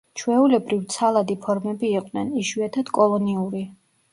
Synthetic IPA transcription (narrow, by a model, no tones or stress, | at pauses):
t͡ʃʰwɛulɛbɾivt̪sʰalˠad̪ipʰɔɾmɛbiːqʼnɛniʃwiat̪ʰad̪̥kʼɔlˠɔniuɾi